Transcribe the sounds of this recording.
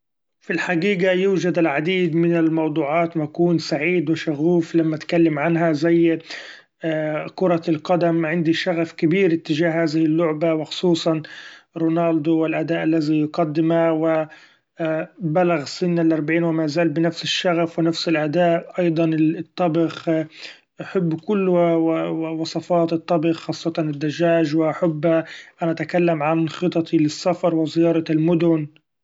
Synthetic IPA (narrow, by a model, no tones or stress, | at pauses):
filħaɡiːɡajuːd͡ʒad̪ɪlʕad̪iːd̪mɪnɪlmɑwd̪ˤuːʕɑːt̪makuːnsaʕiːd̪wɪʃaɣuːflamːat̪kalːɪmʕanɦazajː | kʊɾˤɑlqɑd̪amʕɪnd̪iʃaɣafkɪbiːɾʔɪt̪ːɪʒaːhhaːzɪhɪlːʊʕbawɪxʊ̥sˤuːsˤɑnɾoːnaːld̪ʊwɪlʔad̪aːʔalːazijʊɡɑd̪ːɪmawɪ | balaɣsɪnːalʔɑɾˤbaʕiːnwɪmaːzaːlbɪnafsɪʃːaɣafwɪnafsɪlʔad̪aːʔʔɑjd̪ˤɑnɪt̪ˤːɑbɪx | ʔaħɪbːkʊlːwawɪwɑsˤɑfɑːt̪ɨt̪ˤːɑbɪxxɑːsˤːɑt̪ɑnɪd̪ːaʒaːʒwɪʔaħʊbːhaʔanaʔat̪akalːamʕanxɨt̪ˤɑt̪ʰilɪsːafɑɾˤwɪzɪjɑːɾˤɑlmʊd̪ʊn